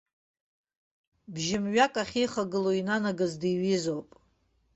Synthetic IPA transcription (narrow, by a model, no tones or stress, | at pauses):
bʒɪmɥakʼaχʲijχaɡɨloinanaɡazdiɥizowpʼ